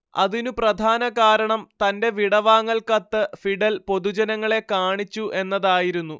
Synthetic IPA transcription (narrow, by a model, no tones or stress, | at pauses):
ɐ̰ðinuprɐd̪ʱaːnɐɣaːɾɐɳɐmt̪ɐnde̞ʋiɽɐʋaːŋːɐɭkɐt̪ːɨfiɖɐlpo̞ðud͡ʑɐnɐŋːɐɭe̞kaːɳit͡ɕːuʔe̞nːɐðaːjiɾunːu